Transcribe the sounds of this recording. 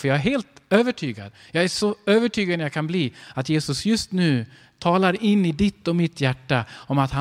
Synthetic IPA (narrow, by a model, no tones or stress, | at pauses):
fœjɑːɡæɾɦeːlt̪øːvəʈʰyːɡa̰d̪jɑːɡæʂɔøːvəʈʰyːɡad̪nɛɾjaːkʰanbliːat̪jeːsɵsjɵst̪nʉ̟ː | t̪ʰɑːlaɾɪnːɪd̪ɪt̪ːɔmɪt̪jæʈːaɔmat̪ha